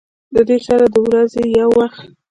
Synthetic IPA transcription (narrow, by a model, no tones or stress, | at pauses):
d̪əd̪esɑɾad̪əwɾazejawːaxt̪